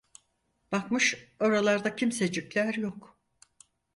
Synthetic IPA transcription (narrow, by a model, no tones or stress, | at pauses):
b̥akmɯʃoɾalˠaɾd̪acʰimsed͡ʒiclʲæɾjok